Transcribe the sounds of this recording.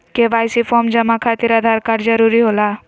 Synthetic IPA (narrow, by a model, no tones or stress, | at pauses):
keʋaːjsipʰɔɾmd͡ʒəmakʰat̪iɾad̪ʱaɾkaɾd͡ʒəɾuɾiɦola